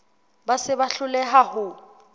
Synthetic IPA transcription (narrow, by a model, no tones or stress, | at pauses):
basɪbaɬʊlɛɦahʊ